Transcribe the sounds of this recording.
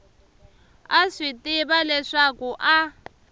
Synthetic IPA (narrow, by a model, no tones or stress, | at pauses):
aʂitʼiβalɛʂakuʔa